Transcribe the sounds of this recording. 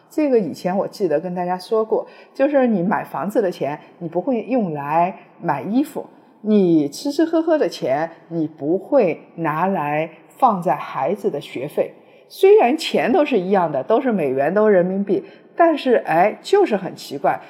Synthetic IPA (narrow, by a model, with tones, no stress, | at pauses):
ʈ͡ʂɤ˥˩ɡə˩i˨˩t͡ɕʰjɛ˧˥nwɔ˨˩t͡ɕi˥˩d̪ə˩kə˥nt̪a˥˩t͡ɕja˥ʂwɔ˥kwɔ˥˩t͡ɕjo˥˧ʊʂɻ̩˥˩ni˨˧˩ma˨˩ɪfɑ̰˧˥ŋd͡zɹ̩˧d̪ə˩t͡ɕʰjɛ˧˥nni˨˩pu˧˥xwe˥˧ɪjʊ˥˩ŋla˧˥ɪ | ma˨˩ɪi˥fṵ˨˩ | ni˨˩t͡sʰɻ̩˧˥ʂ̩ʰ˥xɤ˥xɤ˥d̪ə˨t͡ɕʰjɛ˧˥nni˨˩pu˧˥xwe˥˩ɪna˧˥la˧˥ɪ | fɑ˥˧ŋt͡sa˥˩ɪxa˧˥ɪd͡zɹ̩˧d̪ə˩ɕɥɛ̰˧˥fe˥˩ɪ | swe˥ɪɻa˧˥nt͡ɕʰjɛ˧˥nt̪o˥ʊʂ̬ɻ̩˥˩i˧˥jɑ˥˩ŋd̪ə˩t̪o˥ʊʂɻ̩˥˩me˨˩ɪɥɛ˧˥nt̪o˥ʊɻə˧˥nmi˧˥ŋpi˥˩ | t̪a˥˧nʂɻ̩˥˩ʔe˥˩ɪt͡ɕjo˥˧ʊʂɻ̩˥˩xə˨˩nt͡ɕʰi˧˥kwa˥˩ɪ